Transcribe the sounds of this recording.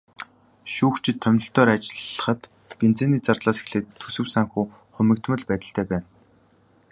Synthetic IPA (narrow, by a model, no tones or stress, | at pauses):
ʃuːxt͡ɕʰɪ̆t̪ʰːœmʲnɪ̆ɬt̪œːɾat͡ɕɪɮːə̥̆χə̆t̪ | pen̥t͡seːniːt͡sart̪ɮaːse̥xɮeːtt̪ʰːɵsɘ̆wsaŋxuː | χʊmʲɘ̆k̚t̪mə̆ɮpæːt̪ə̆ɬt̪ʰæːpæːn